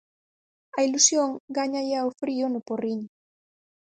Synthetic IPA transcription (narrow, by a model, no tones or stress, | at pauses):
ailusjoŋɡaɲajaofɾionuporiɲ